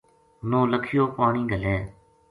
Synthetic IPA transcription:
nõːləkʰɪjoːpaːɳĩːɡəlɛː

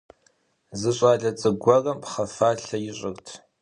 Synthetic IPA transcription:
zɨɕʼaːɮɐt͡sʼɨɡʷɔrɐmpʰχɐfaːɬɐjɪɕʼɪrtʰ

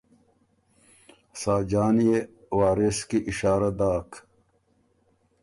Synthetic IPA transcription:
saːd͡ʑaːnije | waːɾeskiʔiɕaːɾad̪aːk

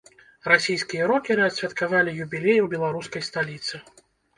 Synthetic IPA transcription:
ɾasʲijskʲijɐɾɔkʲiɾɨɐsʲvʲɛt̪kavalʲijubʲilʲejuwbʲɛlˠaɾuskɐjst̪alʲit̪sɨ

